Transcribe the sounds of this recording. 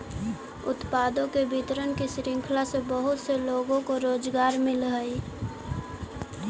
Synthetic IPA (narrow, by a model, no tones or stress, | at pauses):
ʊt̪paːd̪õkebɪt̪ɾənkisɾɪ̃ŋkʰlasebəɦʊt̪seloːɡõkoɾoːd͡ʒɡaːɾmɪlɦəi